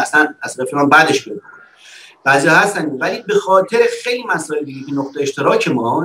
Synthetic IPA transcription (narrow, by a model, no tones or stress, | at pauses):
æsænæsɾefeɒːnbæd̪e̞ʃbeɾ | b̥æːzijɒhæst̪ænevæliːbe̞xɒːt̪ʰe̞ɾexejliːmæsɒːeld̪iɟecʰenoχt̪eeʃt̪ʰe̞ɾɒːcʰe̞mɒː